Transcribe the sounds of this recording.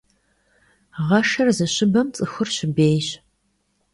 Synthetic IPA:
ʁɐʂɐrzɨɕɪbɐmt͡sʼɨxɨrɕɪbeːjɕ

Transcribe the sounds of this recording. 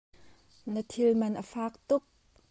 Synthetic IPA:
nət̪ʰilmɐnʔəfaːk̚t̪ʊk̚

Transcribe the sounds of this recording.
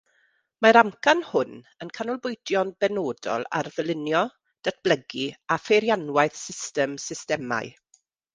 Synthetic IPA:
maɾamkʰanhʊn | ənkʰanʊlˠbʊjdjɔnbɛnoːdɔ̰lˠa̰rvəlˠɪnjɔ | d̥atb̥ləɡiafeɾjanwajθsɪstɛmsɪstɛma̰j

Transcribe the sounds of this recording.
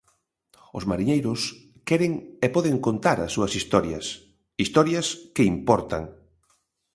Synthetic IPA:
ʊ̰smaɾiɲejɾʊs | kɛɾeŋepɔðeŋkont̪aɾɐ̰sːuɐsist̪ɔɾjɐ̰s | ist̪ɔɾjɐskɪimpɔɾt̪a̰ŋ

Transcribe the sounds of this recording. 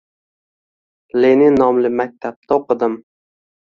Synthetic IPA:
lenɪnɒmlɪmak̚ʲt̪ʰap̚t̪ʰaoqɨd̪ɪm

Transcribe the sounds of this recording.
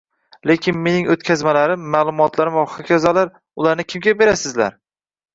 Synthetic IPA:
le̞kʲʰɪnme̞nɪŋot̪̚kʲʰazmalaɾɪmːaːlˠʊmɒt̪ʰlaɾɪmɒχakʲɒzalaɾ | ʊlaɾnɪkʲʰɪmɡʲabe̞ɾasɪzla̰ɾ

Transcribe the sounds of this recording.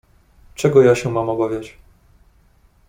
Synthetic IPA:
t͡ʂɛɡɔjaɕɛmamɔbavʲjat͡ɕ

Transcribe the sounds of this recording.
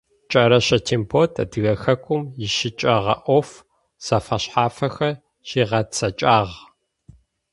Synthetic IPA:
t͡ʃʼɐɾɐɕɐtʰiːmpʰoːtʰɐ̰dɨɣɐxɐkʷʼʊmjɪʃɪt͡ʃʼɐʁɐʔʷɔf | z̥ɐfɐɕħaːfɐxɐr | ɕiːʁɐt͡sʰɐt͡ʃʼaːʁ

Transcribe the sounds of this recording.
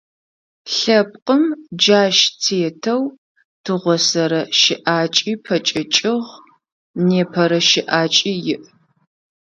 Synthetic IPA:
ɬɐp̚qʼəmd͡ʒaːʃtʰeːtʰɐw | tʰɨʁʷɔsɐɾɐʃɪʔaːt͡ʃʼiːpʰɐt͡ʃʼɐt͡ʃʼɪʁ | neːpʰɐɾɐʃɪʔaːt͡ʃʼiːjɪʔ

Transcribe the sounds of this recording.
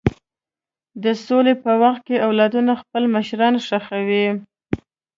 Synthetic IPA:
d̪əsolepəwaxt̪̚keawlɑd̪unaxpəlməʃɾɑnʂaxawi

